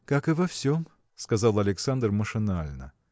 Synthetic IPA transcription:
kakɨvɐfsʲom | skɐzalˠɐlʲɪksand̪rməʂɨnalʲnə̰

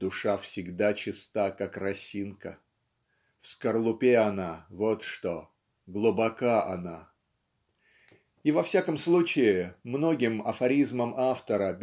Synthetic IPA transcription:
d̪ʊʂafsʲɪɡd̪at͡ɕɪst̪akakrɐsʲinkə̰ | fskərlˠʊpʲeɐnavot̪ʂt̪o | ɡlˠʊbɐkaʔɐna | ivɐfsʲakəmslˠut͡ɕɪɪmno̞ɡʲɪmɐ̰fɐɾʲizməmʔaft̪əɾəbʲ

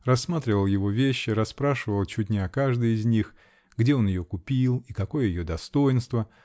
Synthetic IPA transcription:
rɐsːmat̪ɾʲɪvəlˠjɪvo̞vʲeɕːɪɾɐspɾaʂɨvəlˠt͡ɕutʲnʲɪɐkaʐd̪ɨjɪzʲnʲix | ɡdʲeo̞njɪjokʊpʲilˠikɐko̞jəjɪjod̪ɐst̪o̞jɪnst̪və

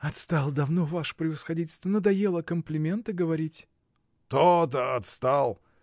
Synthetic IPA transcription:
ɐt̪st̪alˠd̪ɐvnovaʂə̥pɾʲɪvəsxɐdʲit̬ʲɪlʲst̪vənod̪ɐjelˠəkəmplʲɪmʲe̞nt̪ɨɡəvɐɾʲitʲ | t̪ot̪̬əɐt̪st̪alˠ

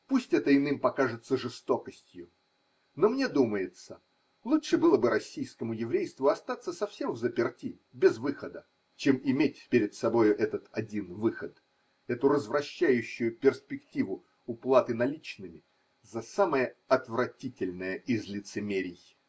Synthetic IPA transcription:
pusʲtʲɛt̪əɪnɨmpɐkaʐɨt̪səʐɨst̪o̞kəsʲtʲjʊ | no̞mnʲed̪uməjɪt̪sə | lˠuʂɨbɨlˠəbɨɾɐsʲːijskəmʊjɪvɾʲejst̪vʊɐst̪at̪səsɐfsʲe̞mvzəpʲɪrtʲi | bʲɪzvɨxəd̪ə | t͡ɕe̞mɪmʲet̚ʲpʲɪɾʲɪt̪sɐbo̞jʊʔɛt̪ət̪ɐdʲinvɨxət̪ | ɛt̪ʊɾəzvɾɐɕːæjʉɕːʊjʊpʲɪrspʲɪktʲivʊ | ʊplˠat̪ɨnɐlʲit͡ɕnɨmʲɪ | zɐsaməjəɐt̪vɾɐtʲitʲɪlʲnəjəɪzlʲɪt̪sɨmʲeɾʲɪj

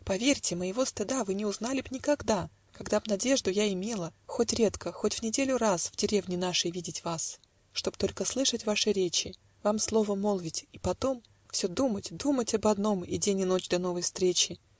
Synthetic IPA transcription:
pɐvʲeɾʲtʲɪməjɪvo̞st̪ɨd̪avɨnʲɪʊznalʲɪbnʲɪkɐɡd̪a | kɐɡd̪abn̪ɐdʲe̞ʐd̪ʊjaɪmʲe̞lˠəxo̞tʲɾʲe̞t̪kəxotʲvnʲɪdʲelʲʊɾasvdʲɪɾʲe̞vnʲɪnaʂəjvʲidʲɪtʲvas | ʂt̪o̞bt̪o̞lʲkəslˠɨʂətʲvaʂɨɾʲet͡ɕɪ | vamslˠo̞vəmo̞lˠvʲɪtʲipɐt̪o̞m | fsʲɵd̪umətʲd̪umətʲɐbɐd̪no̞mɪ̰dʲenʲɪno̞t͡ɕd̪ɐn̪o̞vəjfst̪ɾʲet͡ɕɪ

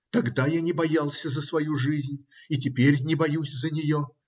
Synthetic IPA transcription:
t̪ɐɡd̪ajanʲɪbɐjalˠsʲəzəsvɐjuʐɨzʲnʲit̬ʲɪpʲeɾʲnʲɪbɐjusʲzənʲɪjo

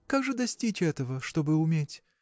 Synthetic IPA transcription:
kaɡʐɨd̪ɐsʲtʲit͡ɕɛt̪əvəʂt̪o̞bɨʊmʲetʲ

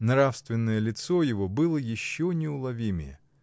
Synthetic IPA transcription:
nɾafst̪vʲɪnːəjəlʲɪt̪sojɪvo̞bɨlˠəjɪɕːonʲɪʊlˠɐvʲimʲɪjə̰

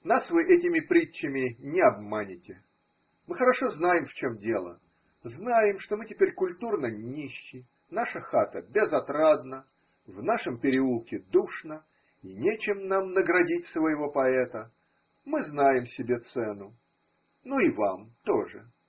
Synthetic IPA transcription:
nasvɨʔɛtʲɪmʲɪpɾʲit͡ɕːɪmʲɪnʲɪɐb̚manʲɪtʲɪ | mɨxəɾɐʂo̞znajɪmft͡ɕomdʲe̞lˠə̰ | znajɪmʂt̪o̞mɨtʲɪ̥pʲeɾʲkʊlʲt̪urnənʲiɕːɪj | naʂəxat̪əbʲɪzɐt̪ɾad̪nə | vnaʂəmpʲɪɾʲɪulˠkʲɪd̪uʂnə | inʲet͡ɕɪmnamnəɡɾɐdʲitʲsvəjɪvo̞pɐɛt̪ə | mɨznajɪmsʲɪbʲe̞t̪sɛnʊ | nuivamt̪o̞ʐɨ̰

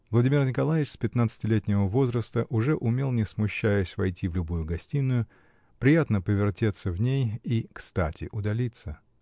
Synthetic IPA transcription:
vlˠɐdʲimʲɪrnʲɪkɐlˠajɪt͡ɕspʲɪt̪nat̪sɨ̥tʲɪlʲetʲnʲɪvəvo̞zɾəst̪əʔʊʐɛʔʊmʲe̞lˠnʲɪsmʊɕːæjʊsʲvɐjtʲivlʲʊbujʊɡɐsʲtʲinːʊjʊ | pɾʲɪjat̪nəpəvʲɪrtʲe̞t̪sːəvnʲejikst̪atʲɪ̰ʔʊd̪ɐlʲit̪sə

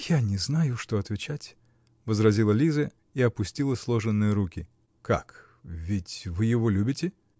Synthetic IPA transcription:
janʲɪznajʊʂt̪oɐt̪vʲɪt͡ɕatʲ | vəzrɐzʲilˠəlʲizə | iɐpʊsʲtʲilˠəslˠo̞ʐɨnːɨjəɾukʲɪ | ka̰k | vʲɪtʲvɨjɪvo̞lʲubʲɪtʲɪ

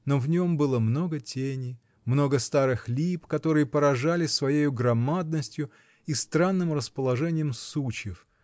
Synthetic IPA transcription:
no̞vnʲo̞mbɨlˠəmno̞ɡətʲenʲɪ | mno̞ɡəst̪aɾɨxlʲipkɐt̪o̞ɾɨjəpəɾɐʐalʲɪsvɐjejʊɡɾɐmad̪̚nəsʲtʲjʊ | ist̪ɾanːɨmrəspəlˠɐʐɛnʲɪjəmsut͡ɕjɪf

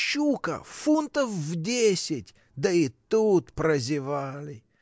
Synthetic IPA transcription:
ʃukə̰funt̪əfvdʲesʲɪtʲ | d̪əit̪ut̪pɾəzʲɪvalʲɪ

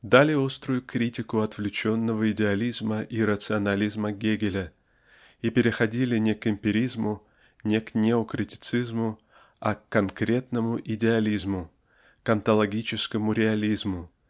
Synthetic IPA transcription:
d̪alʲɪo̞st̪ɾʊjʊkɾʲitʲɪkʊɐt̪v̥lʲɪt͡ɕo̞nːəvəɪdʲɪɐlʲizməʔiɾət̪sɨɐnɐlʲizməɡʲeɡʲɪlʲə | ipʲɪɾʲɪxɐdʲilʲɪnʲɪkɪmʲpʲɪɾʲizmʊ | nʲɪknʲeokɾʲɪtʲɪ̥t̪sɨzmʊ | ɐkːɐnkɾʲe̞t̪nəmʊʔɪdʲɪɐlʲizmʊ | kɐnt̪əlˠɐɡʲit͡ɕɪskəmʊɾʲɪɐlʲizmʊ

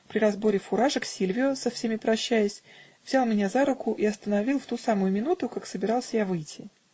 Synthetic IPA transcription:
pɾʲɪɾɐzbo̞ɾʲɪfʊɾaʐəksʲilʲvʲɪʊsɐfsʲemʲɪpɾɐɕːæjɪsʲ | vzʲalˠmʲɪnʲazaɾʊkʊʔɪɐst̪ənɐvʲilˠft̪usamʊjʊmʲɪnut̪ʊkaksəbʲɪɾɑlˠsʲəjavɨjtʲʰːɪ

